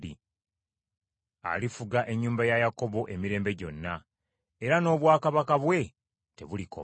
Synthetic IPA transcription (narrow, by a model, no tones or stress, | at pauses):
ḭ | a̰lifuɡaʔe̞ɲːuːmbajajako̞βo̞ʔe̞miɾe̞ːmbe̞ɟo̞nːa | e̞ɾano̞ːβwaːkaβakaβwe̞ | te̞βulikʰo̰